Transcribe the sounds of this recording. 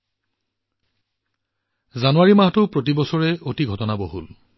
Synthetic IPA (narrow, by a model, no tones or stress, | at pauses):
zanuwaɹimaɦtʊpɹotibɔsɔɹɛotiɡʱɔtɔnabɔɦul